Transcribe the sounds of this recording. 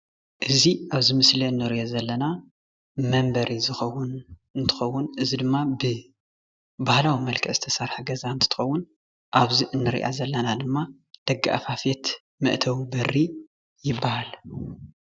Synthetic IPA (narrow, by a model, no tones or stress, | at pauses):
ʔɨziaβzɨmɨsleɨnːɨɾiʔozɐlːɐna | mɐmbɐɾʔizɨxɐwːʊnɨnt̪ʰɨ̥xɐwːʊnʔɨzid̪ɨmːabɨ | bahlawimɐlkʰɐz̥ɨ̥t̪ʰɐsaɾħaɡɐzaɨnt̪ʰɨ̥t̪ɨ̥xɐwːʊn | ʔaβziʔɨnːɨɾḭʔa̰zɐlːɐnad̪ɨmːa | d̪̥ɐɡːa̰ʔfafet̪ | mɨ̰ʔt̪ʰɐwibɐrːi | jɪbːahal